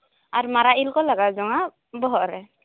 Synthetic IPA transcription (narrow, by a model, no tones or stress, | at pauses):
aɹmaɾailkɔlaɡazɔŋa | bɔɦɔɹɛ